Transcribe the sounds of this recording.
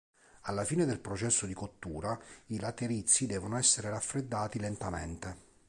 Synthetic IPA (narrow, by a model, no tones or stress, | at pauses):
alːafiːned̪elpɾot͡ʃɛsːod̪ikot̪ːuːɾailat̪eɾit̪sːid̪ɛːvonoɛsːeɾeɾafɾed̪ːaːt̪ilent̪amḛnt̪e